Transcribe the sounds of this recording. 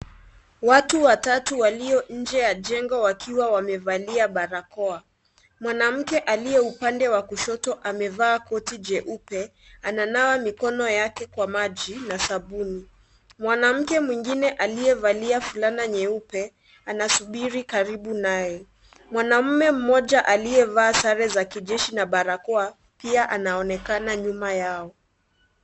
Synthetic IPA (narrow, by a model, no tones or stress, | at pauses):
watuwatatuwaliɔɲ̩d͡ʒɛjad͡ʒɛŋɡɔwakʰiwawamɛvaliaɓaɾakɔa | mwanam̩kɛʔalijɛupandɛwakuʃɔtɔʔamɛvaːkɔtid͡ʒɛʔupɛ | ananawamikɔnɔjakɛkwamaʄinasabuni | mwanam̩kɛmwiŋɡinɛʔalijɛvaliafulanaɲɛupɛ | anasuɓiɾikaɾiɓunajɛ | mwanam̩mɛm̩mɔʄaʔaliɛvaːsaɾɛzakiʄɛʃinaɓaɾakɔa | piaʔanaɔnɛkanaɲumajaɔ